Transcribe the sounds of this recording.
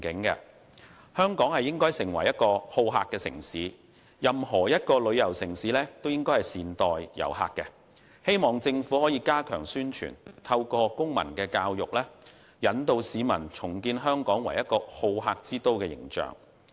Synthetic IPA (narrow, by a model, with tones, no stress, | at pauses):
kɪ˨˥ŋkɛ̰˧ | hœː˥ŋkɔː˨˥ŋhɐ˨jɪ˥ŋkɔː˥jsɪ˨˩ŋwɐ̰˨˩jɐ˥t̚kɔː˧ho˧wɦa̰ː˧kːɛː˧sɪ̰˨˩ŋsiː˨˥ | jɐ˨mɦɔː˨˩jɐ˥t̚kɔː˧lɵ˨˧ɥjɐ˨˩wsɪ˨˩ŋsiː˨˥lɛː˥t̪o˥wjɪ˥ŋkɔ˥jhɐ˨jsiː˨nt̪ɔː˨jjɐ̰˨˩wɦa̰ː˨k̚kːɛ˧ | he˥jmɔː˨ŋt͡sɪ˧ŋfuː˨˥hɔː˨˥jiː˨˧kaː˥kʰœː˨˩ŋsyː˥nt͡ʃʰy̰ː˨˩nt̪ʰɐ˧wkɔː˧kʊ˥ŋmɐ̰˨˩nkɛː˧kaː˧wjʊ˨k̚lɛː˥ | jɐ˨˥nt̪o˧wsiː˨˧mɐ̰˨˩nt͡sʰʊ˨˩ŋkiː˧nɦœː˥ŋkɔː˨˥ŋwɐ˨˩jɐ˥t̚kɔː˧ho˧wɦaː˧k̚t͡siː˥t̪o˥wkɛː˧jɪ̰˨˩ŋt͡ʃœ̰ː˨˩ŋ